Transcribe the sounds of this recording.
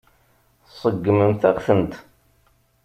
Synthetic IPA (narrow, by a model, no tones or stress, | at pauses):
sˤəɡːəməmθæʁθənt̪